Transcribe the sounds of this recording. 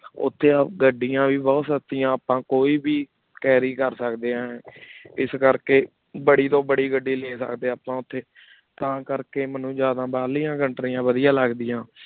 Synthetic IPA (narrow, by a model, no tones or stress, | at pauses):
ʊ̰t̪ʰːeːɡəɖːijãːʋiːbɔːt̪sət̪ːijãːəpãːkoːiːbiː | kɛːɾiːkəɾsəkd̪eːãːɛːɪskəɾkeː | bəɽiːt̪õːbəɽiːɡəɖːiːleːsə̰kd̪eːaːpãːʊt̪ʰːeː | t̪ãːkəɾkeːmənũːd͡ʒjaːd̪ãːbaːliːãːɡəɳʈɾiːãːʋəd̪ɪjãːləɡd̪ɪjãː